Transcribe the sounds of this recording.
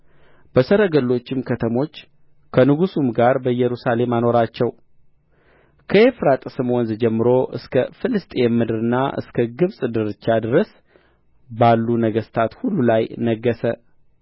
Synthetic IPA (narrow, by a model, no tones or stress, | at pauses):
b̥əsəɾəɡəlːo̞t͡ʃːɪmkʰət̪ʰəmo̞t͡ʃː | kʰənɨɡusumɡaɾbəjɛɾusale̞mano̞ɾat͡ʃːɛw | kʰəefɾat̪ʼsɨmwɔnzd͡ʒɛmːɨɾo̞ʔɨ̰skʰəfɨlɨst̪ʼejɛmːɨd̪ɨɾɨnːa̰ʔɨ̰skʰəɡɨβsʼd̪ɨɾɨt͡ʃːad̪ɨɾəs | balːunəɡəst̪ʰat̪hulːulajnəɡːəsə